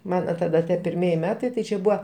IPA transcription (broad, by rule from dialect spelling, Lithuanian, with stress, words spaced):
ˈmɑːnɐ tɐˈdɐ ˈdɐ pʲɪrʲˈmʲiɛjɪ ˈmʲæːtɐɪ tɐɪ ˈt͡ʃʲɛ ˈbuːɐ